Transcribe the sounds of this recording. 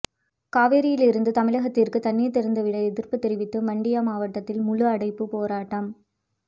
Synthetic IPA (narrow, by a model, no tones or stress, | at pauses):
kaːʋeːɾɪjɪlɪɾɯnd̪ɯt̪ɐmɪɻɐɣɐt̪ːɪrkɯt̪ɐnːijɐt̪ːɛɾɐnd̪ɐʋɪɽɐɛðɪrpɯt̪ːɛɾɪʋɪt̪ːɯmɐɳɖɪjamaːʋɐʈːɐt̪ːɪlmʊlʊɐɽɐɪpːɯpoːɾaːʈːɐm